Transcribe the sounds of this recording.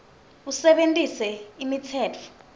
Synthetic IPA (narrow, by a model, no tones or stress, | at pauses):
usɛɓentʼisɛimitʰɛːt͡fʰɔ̥